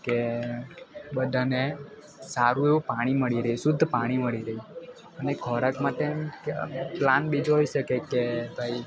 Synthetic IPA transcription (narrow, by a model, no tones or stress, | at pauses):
ke | bəd̪ʱane | saɾũeʋũpaɽ̃iməɭiɾəɦisʊd̪ʱːpaɽ̃iməɭiɾəɦi | ənekʰɔɾəkmaʈem | planbid͡ʒɦojʃəkekebʱai